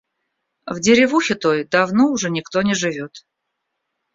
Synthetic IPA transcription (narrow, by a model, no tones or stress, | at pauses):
vdʲɪɾʲɪvuxʲɪt̪o̞jd̪ɐvnoʊʐɛnʲɪkt̪onʲɪʐɨvʲo̞t̪